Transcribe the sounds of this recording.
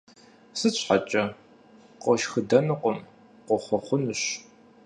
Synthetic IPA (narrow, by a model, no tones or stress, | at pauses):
sɨɕʷʰħat͡ʃʼɐ | qʷʼɔʃxɨdɐnɨqʷɔm | qʷɔχʷɔχʷʊnɨɕ